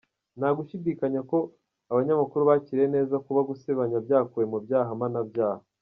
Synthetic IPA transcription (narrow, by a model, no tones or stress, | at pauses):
naɡuʃidiːkaɲako̞ | aβaɲamakuɾuβaciɾene̞ːzakuβaɡuseβaɲabɟaːkuwemubɟaːɦamanabɟaːhaa